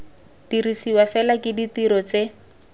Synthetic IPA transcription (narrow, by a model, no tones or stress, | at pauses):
d̥irisiwafɛlakɪditiɾɔt͡se